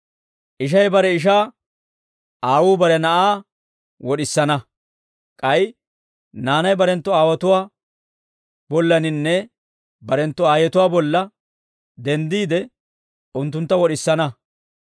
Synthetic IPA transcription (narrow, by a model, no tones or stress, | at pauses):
ʔɪʃ̬ɐjbɐɾɛɪʃ̬aː | aːwuːbɐɾɛnɐʔaː | wɔɗɪsːɐnɐ | kʼɐj | naːnɐjbɐɾɛnt̪ːɔaːwɐt̪ʊwaː | bɔlːɐnɪnːɛ | bɐɾɛnt̪ːɔaːjɛt̪ʊwaːbɔlːɐ | d̪ɛnd̪iːd̪ɛ | ʊnt̪ːʊnt̪ːɐwɔɗɪsːɐnɐ